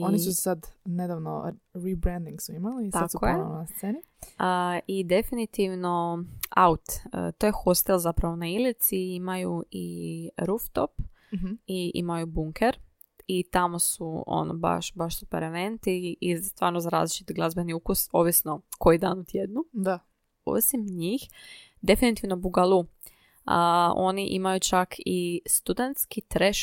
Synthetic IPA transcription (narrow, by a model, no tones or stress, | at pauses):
ionisusad̪ned̪aʋno̰ɾibɾɛ̃nd̪iŋɡsuimalisaskojenast̪seːni | əid̪e̞finit̪iʋno̞a̰ut̪ə̰t̪ojexost̪elˠzapɾaʋo̞nailit̪siimajuiɾuft̪o̞̰p | iḭmajubuŋkʰeɾ | it̪amo̞suo̰no̰ba̰ʃbaʃsupḛɾeʋent̪iizst̪ʋaːɾnozaɾa̰ːzlit͡ʃit̪ɡlˠazbeniukuso̞ʋisno̞ko̞jid̪aːnut̪ʰjed̪nua | o̞̰simɲix | d̪e̞finit̪iʋnobuɡalˠu | o̞̰niʔḭmajut͡ʃakʰist̪ud̪ent̪skit̪ɾeʃ